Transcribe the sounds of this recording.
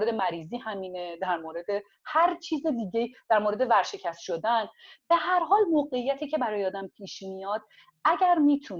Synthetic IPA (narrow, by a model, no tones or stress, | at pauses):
ɾed̪emæɾiːziːhæmiːned̪æɾmoːɾe̞d̪e | hæɾt͡ʃʰiːzed̪iːɟeid̪̥æɾmoːɾe̞d̪e̞væɾʃe̞cʰæst̪ʃod̪ænb̥e̞hæɾɦɒːlmoːɣe̞ijːæt̪ʰiːcʰe̞bæɾɒːjeɒːd̪æmpʰiːʃmijɒːd̪̥̚ | æɟæɾmiːt̪ʰuː